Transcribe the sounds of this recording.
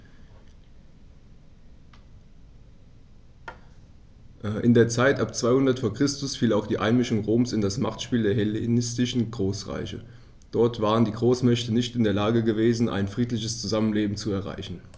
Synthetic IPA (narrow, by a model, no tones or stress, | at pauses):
ʔʔɪndeːɐt͡saɪtʔapt͡sv̥aɪhʊndɐtfoːɐkʁ̥ɪstʊsfiːlaʊxd̥iːʔaɪnmɪʃʊŋʁoːmsɪndasmaχtʃpiːldeːɐɦɛlenɪstɪʃn̩ɡʁoːsʁa̰ɪçə̰ | d̥ɔɐtv̥aːʁ̞əndiːɡʁoːsmɛçtənɪçtɪndeːɐlaːɡəɡəveːzn̩ʔa̰ɪnfʁ̥iːtlɪçəst͡suzamənleːbm̩t͡suɛɐʁa̰ɪçn̩